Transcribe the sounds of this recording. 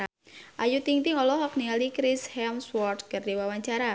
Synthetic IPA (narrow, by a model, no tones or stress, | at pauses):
a | ʔajut̪iŋt̪iŋɔlɔɦɔknialikɾishɛmswɔrt̪̚kardiwawaɲt͡ʃaɾa